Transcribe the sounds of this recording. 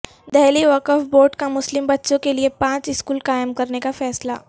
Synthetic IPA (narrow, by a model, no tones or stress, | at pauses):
d̪ɛɦliʋɐkɔfboːɾʈkamʊslɪmbɐtːʃõkeliepãːt͡ʃɪskuːlkaːɪmkɐɾnekafɛːsla̰ː